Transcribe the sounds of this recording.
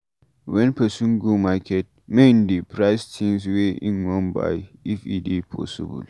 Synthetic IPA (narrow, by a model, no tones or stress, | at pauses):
wɛnpɛsũnɡomakʰɛt̚mendepɾaɪstʰĩŋsweʔɪ̰̃nwɔ̃nba̰jɪfidipʰɔ̰sɪbṵl